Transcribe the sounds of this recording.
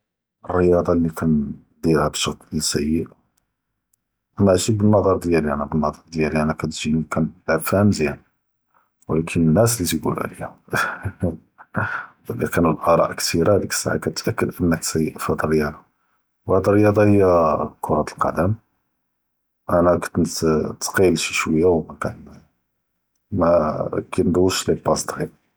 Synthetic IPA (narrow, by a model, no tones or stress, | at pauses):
ərːəjɑd̪ˤɑlːikʰæn | d̪ilhæbʃəqlisæjːəʔ | ʔænæʕʒib̚bənːɑd̪ˤɑɾˤd̪jæliænæbənːɑd̪ˤɑɾˤd̪jæliʔænækæt̪ʒikænbʕb̪fæhəmzjæn | wlækʰənənːæslit̪jɡṵlʕ̰lḭhæ | ælikænulʔɑɾˤɑ̰ʔkt̪ʰiɾad̪əkə̥sːa̰ʕa̰kæt̪ʔækːəd̪ʔənːəksəjːʔfhæd̪ərːəjɑd̪ˤɑ | whæd̪ərːəjɑd̪ˤɑhəjːækʰoɾˤɑt̪əlqɑ̰d̪æm | ʔænækt̪nt̪t̪qiəlʃiʃwəjːawmækæn | mækænd̪ˤwəʃlibɑsd̪ɣiɾ